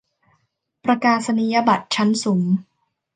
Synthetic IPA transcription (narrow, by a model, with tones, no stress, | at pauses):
pɾa˧kaː˧sa˧ni˨˦ja˦˧ba˨˩t̪̚t͡ɕʰa˦˥nsuː˩˦ŋ